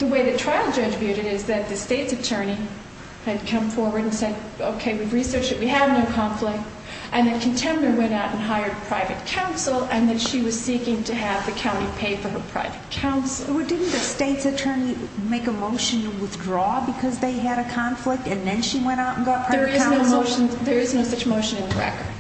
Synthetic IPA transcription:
ðəweɪðɨtʰɹ̥aɪl̩ˠd͡ʒʌd͡ʒvjʉɾɨɾɪzðɨt̪̚ðɨsteɪtsɨtʰɜ̃˞ñi | ɨd̚kʰʌ̃ɱfɔɹwə˞ɾ̃n̩sɛd | oʊkʰeɪwivɹisɜ˞t͡ʃɨt̚wiɨvnoʊkʰɑ̃ɱflɪk̚t | ʔɨ̃nðɨt̚kʰɨ̃n̩tʰɛ̃mnə˞wɛ̃ñaʊɾn̩ɦaɪə˞d̚pʰɹ̥aɪvɨt̚kʰãʊ̃nsl̩ˠɨ̃nðɨtʃiwʌz̥sikɪ̃ŋtʰɨːvðɨkʰãʊ̃ɾ̃tipʰeɪfə˞ə˞pʰɹ̥a̰ɪvɨt̚kʰãʊ̃nsl̩ˠədɪdⁿn̩ðɨsteɪtsɨtʰɜ˞ni | meɪkəmoʊʃɨ̃nwɪθdɹɔbɨkʰʌzðeɪɨɾɨkʰɑ̃ɱflɪk̚tɨ̃nðɨ̃nʃiwɛ̃ɾ̃aʊɾn̩ɡɑt̚pʰɹ̥aə˞ãnoʊoʊʃnðə˞ɨznoʊsʌt͡ʃmoʊʃɨ̃nɨ̃nðəɹɛ̰kə̰˞d̥

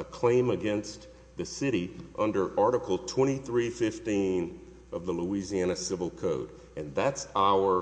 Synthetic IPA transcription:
əkʰl̥ẽɪ̃mɨɡɛ̃ns | ðɨsɪɾiʔʌ̃ndə˞ʔɑɹɾəkl̩ˠtʰw̥ɛ̃ɾ̃iθɹifɪftĩn | ʌvðəluiziæñɨsɪvl̩ˠkʰoʊɾ | ɨ̃nðætsaʊə˞

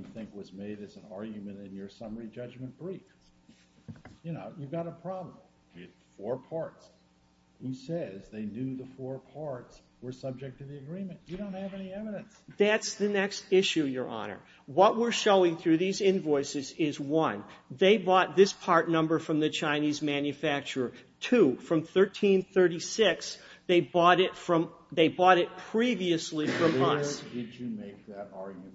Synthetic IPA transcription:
θɪ̃ŋkwʌzmeɪɾɨzn̩ɑɹɡjɨmɨ̃ntɨ̃njə˞sʌmə˞id͡ʒʌd͡ʒmɨ̃nb̥ɹif | jɨnoʊjɨvɡɑɾəpʰɹ̥ɑblə̃m̩ | jɨ | fɔɹpʰɑɹts | husɛzðeɪnjʉðəfɔɹpʰɑɹts | wə˞sʌb̚d͡ʒɨk̚tʰɨðiɨɡɹĩmɨ̃ntɨɾõʊ̃nt̚hɨvɛniɛvɨɾɨ̃nsðætsðɨnɛkstɪʃʉjə˞ʔɑ̰nə̰˞ | wʌʔ̚wɪɹʃoʊɪ̃ŋθɹʉðizɪ̃nvɔɪsɨzɪzwʌ̃nðeɪbɔt̪̚ðɪspʰɑɹtⁿnʌ̃mbə˞fɹʌ̃mðɨt͡ʃʰãɪ̃nizmæ̃njɨfæk̚t͡ʃə˞tʰufɹʌ̃mθɜ˞tʰĩnθɜ˞ɾisɪksðeɪbɔɾɪtfɹʌ̃mðeɪbɔɾɪt̚pʰɹ̥iviɨslifɹʌ̃mʌ̰sdɨd͡ʒɨmeɪk̚ðɨɾɑɹɡɨ̃

